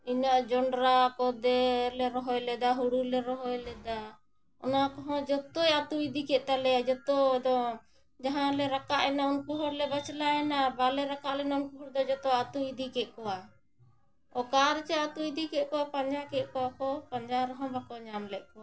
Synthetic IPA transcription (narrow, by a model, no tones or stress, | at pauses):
inaʔd͡ʒɔɳɖɾakɔd̪ɛlɛɾɔɦɔjlɛd̪aɦuɽulɛɾɔɦɔjlɛd̪a | ɔ̰nakɔɦɔ̃d͡ʒɔt̪ɔjat̪uid̪ikɛʔ̚t̪alɛjad͡ʒɔt̪ɔd̪ɔ | d͡ʒaɦãlɛɾakaʔɛnaunkuɦɔɾlɛbat͡ʃlaɛnabalɛɾakaʔlɛnaunkuɦɔɾd̪ɔd͡ʒɔt̪ɔat̪uid̪ikɛʔ̚kɔwa | ɔkaɾt͡ʃɛat̪uid̪ikɛʔ̚kɔwapaɲd͡ʒakɛʔ̚kɔwakɔpaɲd͡ʒaɾɔɦɔ̃bakɔɲamlɛʔ̚kɔwa